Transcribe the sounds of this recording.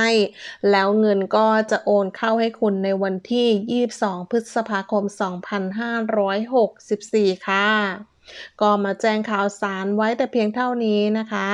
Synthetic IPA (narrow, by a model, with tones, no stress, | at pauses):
a˥˩jlɛː˦˥wŋɤ˧nkɔː˥˩t͡ɕa˨˩ʔoː˧nkʰa˥˩wha˥˩jkʰu˧nːa˧jwa˧nt̪ʰiː˥˩jiː˥˩p̚sɔː˩˦ŋpʰɯ˦˥t̪̚sa˧pʰaː˧kʰo˧msɔː˩˦ŋpʰa˧nɦaː˥˩ɾɔː˦˥jɦo˨˩k̚si˨˩p̚siː˨˩kʰaː˥˩ | kɔː˥˩maː˧t͡ɕɛː˥˩ŋkʰaː˨˩wsaː˩˦nwa˦˥jt̪ɛː˨˩pʰi˧əŋt̪ʰa˥˩wniː˦˥na˦˥kʰa˦˥